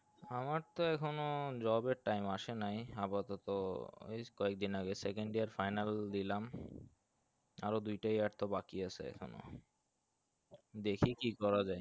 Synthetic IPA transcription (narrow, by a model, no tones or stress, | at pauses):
amaɾt̪oɛkʰonod͡ʑɔbeɾʈajmaʃenajapat̪ɔt̪oḛjkɔek̚d̪inaɡesɛkeɳɖiaɾfajnald̪ilam | a̰ɾod̪ujʈajaɖt̪obakiat͡ɕʰḛɛ̰kʰo̰no̰ | d̪ekʰikikɔɾad͡ʑaj